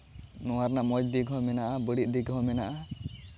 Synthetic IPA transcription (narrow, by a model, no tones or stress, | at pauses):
nɔwaɾnaʔmɔd͡ʒd̪iɡɦɔmɛnaʔabəɽit̪̚ˀd̪iɡɦɔmɛnaʔa